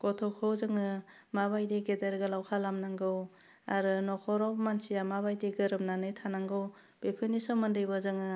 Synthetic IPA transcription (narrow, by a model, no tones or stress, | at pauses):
kɔtʰɔwkʰɔwzɯŋɯ | mabajdeɡedeɾɡɯlawkʰalamnaŋɡɯw | aɾɯnɔkʰɔɾɔwmansijamabajdeɡɯɾɯp̚nanɯjtʰanaŋɡɯw | b̥epʰɯnisɔmɯndɯjbɯzɯŋɯ